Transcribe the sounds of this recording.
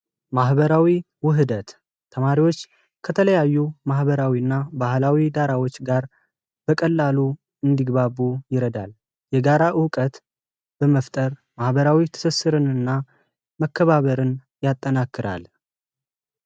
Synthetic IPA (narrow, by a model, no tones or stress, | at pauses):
maɦbəɾawi | wʊɦɨd̪ət̪ʰː | əmaɾiwo̞t͡ʃː | kʰət̪ʰələjajːumahbəɾawiɨnːabahlawid̪aɾawot͡ʃːɡaɾ | b̥əkʼəlːalu | ɨnd̪iɡbaβujɪɾəd̪al | jɛɡaɾaʔɨkʼət̪ | b̥əməft̪ʼəɾ | mahbəɾawit̪ʰɨ̥sɨsːɨɾɨnɨnːa | məkːəβaβəɾɨn | jat̪ʼːənakːɨɾa̰l